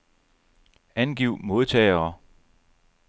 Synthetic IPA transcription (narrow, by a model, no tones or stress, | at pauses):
ænɡ̥iʊ̰mo̝ð̞ˠt͡sʰɛːɪɐː